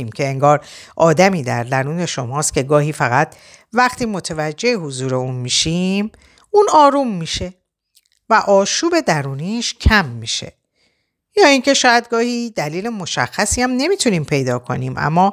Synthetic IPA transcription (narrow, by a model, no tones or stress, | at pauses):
iːmcʰe̞eŋɡɒːɾʔɒːd̪æmiːd̪æɾd̪æɾuːne̞ʃo̞mɒːst̪cʲʰe̞ɡɒːɦiːfæɣæt̪̚ʰ | væχt̪ʰiːmo̞t̪ʰevæd͡ʒːe̞ehuzuːɾe̞uːnmiːʃim | uːnɒːɾuːmːiːʃe̞ | væʔɒːʃuːbe̞d̪æɾuːniːʃcʰæmːiːʃe̞̰ | jɒːiŋcʰe̞ʃɒːjæd̪̚ɡɒːhiːd̪æliːle̞mo̞ʃæ̰xːæsiːæmne̞mit̪ʰuniːmpʰe̞jd̪ɒːkʰo̞̰niːmʔæ̰mːɒː